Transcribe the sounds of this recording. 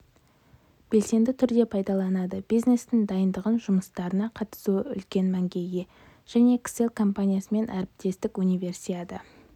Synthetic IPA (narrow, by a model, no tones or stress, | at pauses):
b̥e̞lse̞nd̪ɪt̪ʰʏɾd̪e̞pʰɑjd̪ɑlˠɑnɑd̪əb̥ijzne̞st̪ɪŋd̪ɑjənd̪əʁənʒʊməst̪ɑɾənɑqʰɑt̪ə̥suəʏ̰lkʲe̞nmæŋɡʲe̞je̞ | ʒ̥æne̞kse̞lkʰo̞mpanʲijasəme̞nʔæɾɪp̚t̪e̞st̪ɪkunijve̞rsijet̪ə